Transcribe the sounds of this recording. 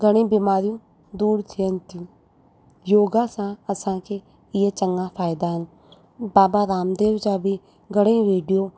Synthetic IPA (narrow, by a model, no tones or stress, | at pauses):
ɡəɽ̃ẽːbɪmaːɾijũː | d̪uːɾt̪ʰijənt̪ʰĩ | joːɡaːsãəsãːkʰeː | ɪɦet͡ʃəŋɡãpʰaːɪd̪aːɦən | baːbaɾaːmd̪eːʋd͡ʒaːbʱi | ɡəɽ̃ẽːʋeːɖijoː